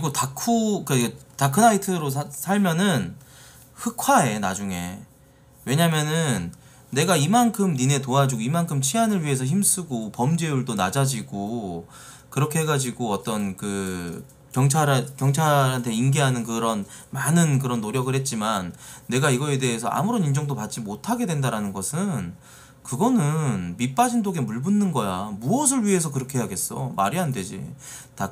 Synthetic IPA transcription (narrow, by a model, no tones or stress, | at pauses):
ɯiɡotakʰukatakʰɯnaitʰɯɾosʰsʰaɭmjʌnɯn | hɯkʰwae̞na̰d͡ʑuŋe̞̰ | we̞ɲamjʌnɯnː | e̞ɡaimankʰɯmnine̞toad͡ʑuɡoimankʰɯmt͡ɕʰianɯɭɥiɦe̞s̬ʰʌçimsʰuɡopʌmd͡ʑeuɭtona̰d͡ʑad͡ʑiɡo | kɯɾʌkʰe̞ɦe̞ɡad͡ʑiɡoʌt͈ʌnkɯ | kjʌŋt͡ɕʰaɾkjʌŋt͡ɕʰaɾɦantʰe̞inɡiɦanɯnkɯɾʌnmanɯnkɯɾʌnːoɾjʌɡɯɭhe̞t̚t͡ɕ͈imanːe̞ɡaiɡʌe̞de̞ɦesʰʌʔa̰muɾonind͡ʑʌŋdopat̚t͡ɕ͈imotʰaɡe̞dwe̞ndaɾanɯnɡʌsʰɯn | kɯɡʌnɯnmip͈ad͡ʑindoɡe̞muɭbunːɯnɡʌjamuʌs̬ʰɯɭɥiɦe̞s̬ʰʌkɯɾʌkʰe̞eɦaɡe̞s͈ʌma̰ɾiɦande̞d͡ʑḭta